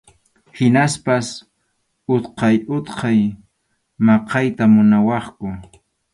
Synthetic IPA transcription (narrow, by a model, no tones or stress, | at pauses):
hɪnaspas | ʊt̪qɑjʊt̪qʰɑj | mɑqʰɑjt̪amʊnawɑχkʊ